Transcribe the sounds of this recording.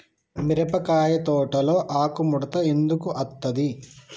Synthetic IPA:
miɾɐpɐkaːjɐt̪ɔːʈɐlo̞ːʔaːkumuɽɐt̪ɐend̪ukuʔɐt̪ːɐd̪i

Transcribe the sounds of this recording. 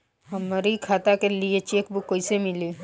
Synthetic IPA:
ɦəmɾikʰaːt̪akeliet͡ʃeːkbukːoisemɪli

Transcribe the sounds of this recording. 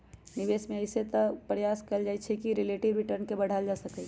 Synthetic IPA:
nibesmeəjset̪ɔpɾəjaskəld͡ʒajt͡ʃʰɛkiɾileʈiʋɾiʈəɾnkebəɽ̤ald͡ʒasəkɛ

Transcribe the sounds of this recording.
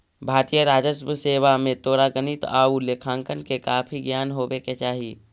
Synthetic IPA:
bʱaːɾt̪ijəɾaːd͡ʒəsmseːwamẽt̪oːɾaɡənit̪aːulekʰãːŋkənkekaːpʰiɡjaːnɦoːbeket͡ʃaːɦi

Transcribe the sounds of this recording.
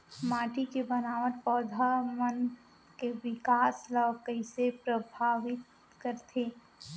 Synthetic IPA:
maːʈikebənaːʋət̪pɔːd̪ʱamən | keʋɪkaːslɔkəɪsepɾəbʱaːʋɪt̪ | kəɾt̪ʰeː

